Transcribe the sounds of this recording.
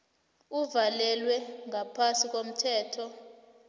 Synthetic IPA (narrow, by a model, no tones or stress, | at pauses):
uvalɛlwɛŋʱapʰasik̬ʼom̩tʰɛːtʰɔ